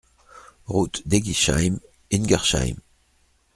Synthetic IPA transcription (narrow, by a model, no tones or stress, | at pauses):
ʁut̪d̪eɡiʃa̰jm | inɡaʁʃa̰jm